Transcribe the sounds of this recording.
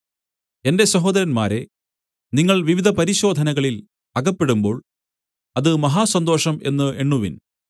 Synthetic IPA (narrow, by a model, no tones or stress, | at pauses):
e̞nde̞sɐɦo̞ːd̪ɐɾɐnma̰ːɾe̞ | niŋːɐɭʋiʋid̪ʱɐpɐɾiɕo̞ːd̪ʱɐnɐɣɐɭil | ɐɡɐpːe̞ɽumbo̞ːɭ | ɐðɨmɐɦaːsɐnd̪o̞ːʂɐme̞nːɨʔeɳːuʋḭn